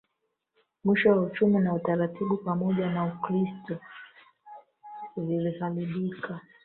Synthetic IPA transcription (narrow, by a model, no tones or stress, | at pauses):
mwiʃɔwaut͡ʃuminautaɾatiɓupamɔʄanaukɾistɔ | uvilihaliɓikʰa